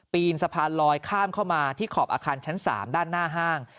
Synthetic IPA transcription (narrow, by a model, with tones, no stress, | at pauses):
piː˧nsa˧pʰaː˧nlɔː˧jkʰaː˥˩mkʰa˥˩wmaː˧t̪ʰiː˥˩kʰɔː˨˩p̚ʔaː˧kʰaː˧nt͡ɕʰa˦˥nsa̰ː˩˦mdaː˥˩nːaː˥˩ɦaː˥˩ŋ